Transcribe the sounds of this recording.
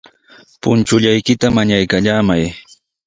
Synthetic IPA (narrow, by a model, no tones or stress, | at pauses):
pʊnt͡ʃʊʎajkɪt̪amaɲajkaʎaːmaj